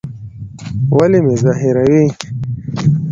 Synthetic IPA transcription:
walemezaɦɪɾawi

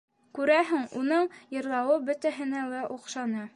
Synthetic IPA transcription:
kʉɾæɦɘŋunɤɴjɤ̆ɾlˠɑwɤbɵ̆t̪æɦɘ̆næwæʔuqʃɑnɤ

